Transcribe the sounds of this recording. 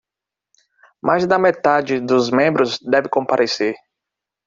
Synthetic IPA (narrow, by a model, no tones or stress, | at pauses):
mʔajzd̪ɐmet̪ad͡ʒɪd̪ʊzmẽmbɾʊzd̪ɛvɪkõpaɾʔeseɾ